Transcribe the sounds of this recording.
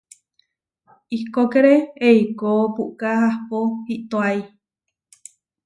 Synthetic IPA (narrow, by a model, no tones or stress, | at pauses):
ikokeɾeeikopuʔkahahpohiʔt̪oai